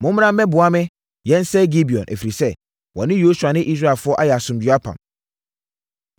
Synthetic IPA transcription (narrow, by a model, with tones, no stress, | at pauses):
mʊ̃˦m˦ã˦m̩˦mɛ̃˦bʊ˨a˦mɪ̃˦ | jɛ̃˦n̩˦sɛ˦ɡi˦bi˨ɔ̰̃˨nʔæ̰˨fi˨ɾi˨sɛ˦ | wɔ̰̃˨nɪ̃˦jo˦su˨a˨nɪ̃˦ʔi˦s̬ɾa˦˨ɛ˨lfʊ˦ɔ˦ʔa˦jɛ˨a˨sʊ̃˨md͡ʑɥa˦pʰã̰˨m